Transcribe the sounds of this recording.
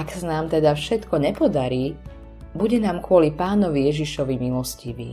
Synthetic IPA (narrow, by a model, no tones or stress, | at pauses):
aksanaːmt̪ɛd̪afʃɛt̪kɔɲɛpɔd̪aɾiː | buɟɛnaːmkʊɔlipaːnɔʋijɛʒiʃɔʋimilɔsciʋḭː